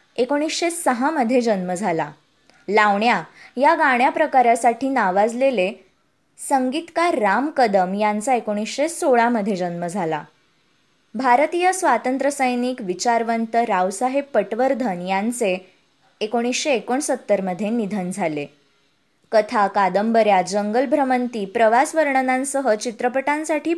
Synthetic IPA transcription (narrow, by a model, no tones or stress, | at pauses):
ekoɽ̃isɕesəɦaməd̪ʱːjed͡ʑənməd͡zʱala | laʋɳjajaɡaɳ̃japɾəkaɾjasaʈʰiːnaʋad͡zlele | səŋɡit̪kaɾːamkəd̪əmjant͡saekoɽ̃isɕesoɭaməd̪ʱːjed͡ʑənməd͡zʱala̰ | bʱaɾt̪ijəsʋat̪ənt̪ɾəsəjnikʋit͡ɕaɾʋənt̪əɾawsaɦepːəʈʋəɾd̪ʱənjant͡seː | koɽ̃isɕeːkoɳsət̪ːəɾməd̪ʱjenid̪ʱənd͡zʱale | kət̪ʰakad̪əmbəɾjad͡zəŋɡəlbʱɾəmənt̪iːpɾəʋasʋəɾɳnãnsəɦət͡ɕit̪ɾəpəʈãnsaʈʰiː